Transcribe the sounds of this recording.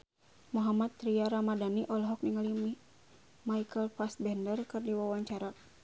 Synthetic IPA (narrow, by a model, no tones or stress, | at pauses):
muɦamat̪ːɾiaɾamadaniʔɔlɦɔk̚niŋali | maikəlfas̚bɛndərkɨrdiwawaɲt͡ʃaɾa